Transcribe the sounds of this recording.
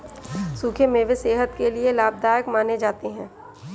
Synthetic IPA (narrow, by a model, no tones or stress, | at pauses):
suːkʰemẽʋeseːɦət̪kelielaːb̚d̪aːjəkmaːned͡ʒaːt̪eɦɛ̃ː